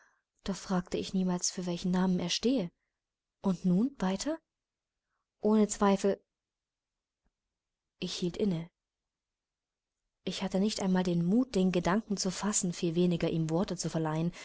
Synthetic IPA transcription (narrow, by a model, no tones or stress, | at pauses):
d̥ɔχfʁ̥aːk̚təɪçniːmaːlsfyːɐvɛlçn̩naːməneːɐʃteːə | ʔʊntnuːnvaɪtʰɐ | ʔoːnət͡sv̥aɪfl̩ | ʔɪçhiːltʔɪnə | ʔɪçhatənɪçtʔaɪnmaːldeːnmuːt̚d̥eːnɡədaŋkŋ̩t͡sufasn̩fiːlveːnɪɡɐʔiːmvɔɐtət͡sufɛɐlaɪən